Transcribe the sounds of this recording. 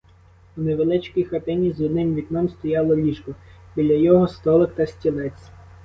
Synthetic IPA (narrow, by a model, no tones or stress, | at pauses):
uneʋelˠɪt͡ʃkijxɐt̪ɪnʲizud̪ɪnʲʋʲid̪ʲnɔmst̪ɔjɑlˠɔlʲiʃkɔb̥ʲilʲɐjɔɦɔst̪ɔlˠɪkt̪ɐsʲtʲilˠɛt͡sʲ